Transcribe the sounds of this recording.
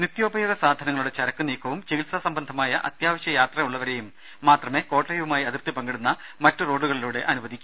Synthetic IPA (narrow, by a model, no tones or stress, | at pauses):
nit̪jo̞ːbʱɐjoːɡɐsaːd̪ʱɐnɐŋːɐɭuɽe̞t͡ɕɐɾɐkːɨniːkʰːɐʋumt͡ɕeɣilsɐsɐmbɐnd̪ʱɐmaːjɐʔɐ̰t̪jaːʋɐɕjɐjaːt̪rɐjuɭːɐʋɐɾe̞ːjumː | aːt̪rɐme̞ːko̞ːʈlɐjʋumaːjiɐðirt̪ipɐŋɡiɽunːɐmɐtːuro̞ːɖuɣɐɭiluːɽe̞ʔɐnuʋɐd̪ʱikʲː